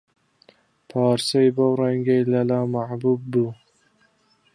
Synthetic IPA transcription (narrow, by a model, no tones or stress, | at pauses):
pʰɑːɾsajbowɾaŋɡʲailalamaʕbʊb̚bʊ